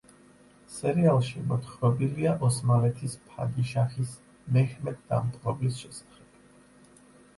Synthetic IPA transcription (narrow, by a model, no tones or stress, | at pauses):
sɛɾialˠʃimɔt̪ʰχvɛbiliaʔɔsmalɛt̪ʰispʰa̰d̪iʃaχis | mɛhmɛd̪̚d̪a̰mt̪ʼqʼɔbisʃɛsḁχɛb̥